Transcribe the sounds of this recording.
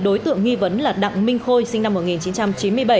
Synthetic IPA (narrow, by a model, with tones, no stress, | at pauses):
ɗo˨˦jt̪ɨ̰˧˨əŋːi˧və˨˦nlaː˨˩ɗa̰˧˨ŋmï˧ŋ̟xo˧jsï˧ŋna˧mːo˨˩t̚ŋi˨˩nt͡ɕi˨˦nt͡ɕa˧mt͡ɕi˨˦nmɨ˧əjɓə˧˩j